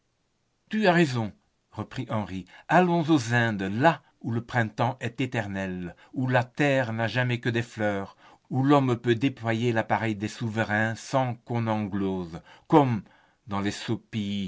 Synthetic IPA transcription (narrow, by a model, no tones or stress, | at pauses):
t̪yaʁezɔ̃ | ʁəpχiʔɑ̃ʁialɔ̃zozɛ̃d̪la | uləpχɛ̃t̪ɑ̃ʔɛt̪et̪ɛʁnɛl | ulat̪ɛːʁnaʒamɛkəd̪ɛflœːʁ | ulɔmpød̪eplwajelapaʁɛjd̪ɛsuvəʁɛ̃sɑ̃kɔ̃nɑ̃ɡlozkɔm | d̪ɑ̃lɛsopi